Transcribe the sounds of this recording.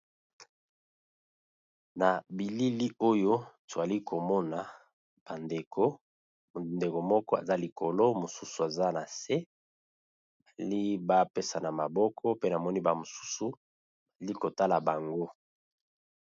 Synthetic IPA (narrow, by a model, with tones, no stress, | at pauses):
na˨bi˨li˦li˦o˦jo˦to˨a˨li˦kʰo˨mɔ˦na˨ | b̥a˨nde˨kʰo˦˨ | nde˨ko˨mɔ˦kɔ˦ḛ˨za˦li˨kʰo˨lo˦mo˨su˦su˨a˨za˦na˨se˦ | ba˨li˦ba˦pe˦sa˨na˨ma˨bɔ˦kʰɔ˦pe˦na˨mɔ˦ni˦ba˨mo˨su̥˦su˨ | ba˨li˦ko˨ta˦la˨ba˨ŋɡo˦